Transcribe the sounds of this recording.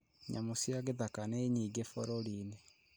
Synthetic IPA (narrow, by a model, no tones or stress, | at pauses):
ɲa̰mosjaɣeðakaneɲiːɡefoɾoline